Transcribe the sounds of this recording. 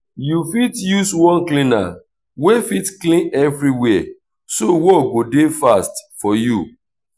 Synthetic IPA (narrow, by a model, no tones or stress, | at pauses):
jufitjuswɔ̃nklĩna̰ | wefitklĩnɛvɹiwɛ | sowɔɡodefastfɔju